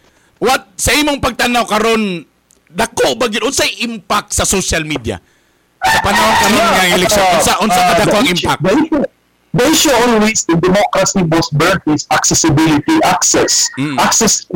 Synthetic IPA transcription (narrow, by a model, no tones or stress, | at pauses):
wat̪̚sɐʔimoŋpɐɡ̚t̪anawkɐɾo̞n | d̪ɐkoʔbɐɡɪd̪ʔʊnsajʔɪmpak̚t̪sɐsoʃɐlmid̪ja̰ | sɐpɐnɐhonkɐɾinaŋaŋɪlɛk̚ʃonʔʊnsaʔʊnsakɐd̪ɐkoʔɐŋɪmpak̚d | d̪ejʃʊolwisɪnd̪ɛmokɾasibosbɛɹt̪ɪsaksɛsɪbilɪt̪iʔaksɛs̩aksɛs